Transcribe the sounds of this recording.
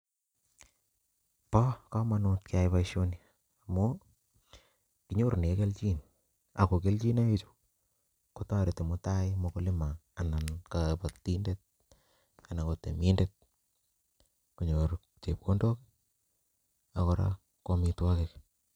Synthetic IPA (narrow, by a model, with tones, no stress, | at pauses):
pɔ˦ka˦manʊ˧t̚kɪa˨jpaiʃo˦ni | amo | ki˦ɲo˦ɾne˨ke˦lt͡ʃi˦n | a̰˨ko˨ke˦lt͡ʃi˦na˦it͡ʃo̥ | kota˦ɾete˨mo˦ta˦ɪmokolɪ˦maː˨na˨nkapati˦ndet̚ | kana˨kote˨mi˦ndet̚ | ku˨ɲoɾ | t͡ʃe˨p̚ko˦ndo˦k | a˨koɾa̰ | komitwɔ˦kek